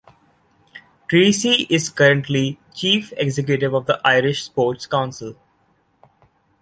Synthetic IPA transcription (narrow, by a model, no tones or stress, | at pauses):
ʈɾiːsiʔɪzkʌɾə̃ɳʈli | t͡ʃiːfeɡzɛk̬juʈɪʋɔʋd̪əʔaɪɾɪʃspoːʈskãʊ̃nsɪl